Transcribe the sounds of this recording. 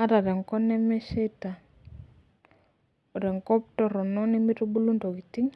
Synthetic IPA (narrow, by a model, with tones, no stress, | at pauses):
a˦ɾa˨ɾɛ˨ŋkɔ˦nɛ˦mɛ˦ʃe˦ta˨ | ɔ˨ɾɛ˨ŋkɔ˦p̚tɔ˦ɾɔ˨nɔ˦ni˦mi˦ɾu˦bu˦lu˦ntɔ˨ɡi˨ti˦ŋ